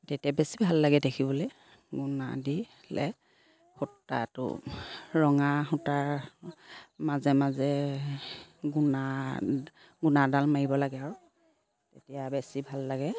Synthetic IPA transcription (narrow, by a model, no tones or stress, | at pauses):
tetijabesibʱalːaɡɛdekʰibɔloj | ɡʊna̰di | lɛ̰ | xutːa̰tʊ̰ɹɔŋaxuta | mazɛmazɛ | ɡuna | ɡunadalmaɹibɔlaɡɛaɹʊ | tetijabesibʱalːaɡɛ